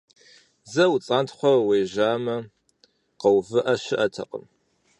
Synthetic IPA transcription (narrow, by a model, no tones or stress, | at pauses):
zɐwt͡sʼaːntʰχʷɔwejʒaːmɐ | qɐwvɨʔɐʃɪʔɐtʰɐ̰qʼə̰m